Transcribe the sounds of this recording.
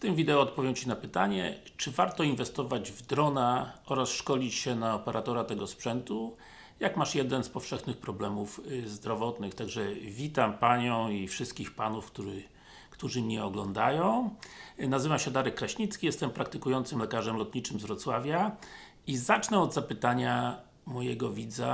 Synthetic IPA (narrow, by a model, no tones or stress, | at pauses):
ft̪ɘmvʲid̪ɛɔːt̪̚pɔvjɛwt͡ɕinapɘt̪aɲɛ̰t͡ʂɘvaɾt̪ɔinvɛst̪ɔvad͡ʑvd̪ɾɔnaɔɾasʂkɔlʲit͡ɕɕɛnaɔpɛɾʔat̪ɔɾat̪ɛɡɔspʂɛnt̪u | jakmaʂjɛd̪ɛnspɔfʂɛxnɘxpɾɔblɛmufzd̪ɾɔvɔt̪nɘxt̪aɡʐɛvʲit̪ampaɲɔ̃w̃ifʂɘst̪̚kʲixpanufkt̪uɘ | kt̪uʐɘmɲɛɔɡlɔnd̪ajɔ̃w̃nazɘvamɕɛd̪aɾɛkːɾaɕɲit̪skʲijɛst̪ɛmpɾakt̪ɘkujɔnt̪sɘmlɛkaʐɛmlɔt̪ɲit͡ʂɘmzvɾɔt̪swavʲja | izat͡ʂnɛɔd̪zapɘt̪aɲa | mɔjɛɡɔvʲid̪za